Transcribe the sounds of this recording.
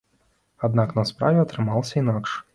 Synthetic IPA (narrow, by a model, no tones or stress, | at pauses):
ɐd̪naknɔspɾa̰ʋʲɛɔt̪ʲɾɪmɑlˠsʲɛinɑkʃ